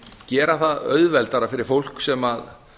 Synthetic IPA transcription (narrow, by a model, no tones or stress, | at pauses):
cɛːɾaθaðœ̰ɥðvɛlt̪aɾafɪɾɪɾ̥fowl̥ksɛmað